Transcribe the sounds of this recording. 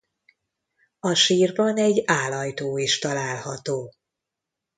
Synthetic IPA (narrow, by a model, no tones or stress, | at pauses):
ɒʃiːrbɒnɛɟːaːlɒjt̪oːiʃt̪ɒlaːlhɒt̪oː